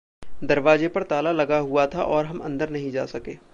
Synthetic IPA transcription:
d̪ɐɾʋaːd͡ʒepɐɾt̪aːlalɐɡaɦuat̪ʰaʔɔːɾɦɐmɐ̰̃nd̪əɾnɐɦĩd͡ʒa̰ːsɐkeː

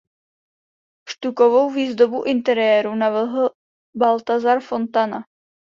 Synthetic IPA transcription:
ʃt̪ukovo̞wviːzd̪obuʔɪnt̪ɛɾɪjɛːɾunavɪlɦl̩ | balt̪azaɾfo̞nt̪ana

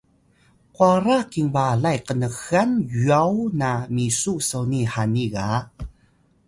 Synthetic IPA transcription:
kwaɾakiŋbalajkənəxanjuawnamisuʔsəwnihaniɣa

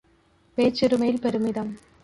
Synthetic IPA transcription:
peːt͡ʃːɪɾɯmɐjɪlpɛɾɯmɪðɐm

